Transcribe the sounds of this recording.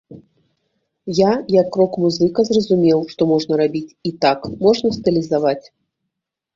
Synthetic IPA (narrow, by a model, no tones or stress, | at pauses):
jajɐkːrɔkmuzɨkɐzrɐzumʲɛwʂt̪ɔmɔʐnɐɾabʲit͡sʲit̪akmɔʐnɐst̪ɨlʲizavat͡sʲ